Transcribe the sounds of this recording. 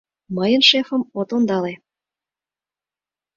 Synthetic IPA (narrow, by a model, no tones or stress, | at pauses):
məjənʃefə̆mot̪ond̪ɑle